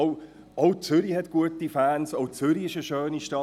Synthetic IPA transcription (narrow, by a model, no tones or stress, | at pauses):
ʊ | oʊt͡sʏɾihɛtɡ̥uətifæːnsoʊt͡sʏɾiɪʃəʃøːniʃtɑ